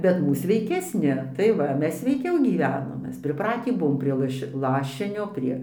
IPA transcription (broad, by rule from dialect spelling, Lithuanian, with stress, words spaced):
ˈbʲɛt ˈmuːs sʲʋʲɛɪkʲɛsʲˈnʲɪ tɐɪ ˈʋɐ ˈmʲɛs sʲʋʲɛɪˈkʲɛʊ ɡʲiːˈʋʲæːnoːm ˈmʲɛs pʲrʲɪˈprɑːtʲiː ˈbʊʋoːm pʲrʲiɛ ˈlˠɐʃʲ ˈlˠɑːʃʲɪnʲoː ˈpʲrʲiɛ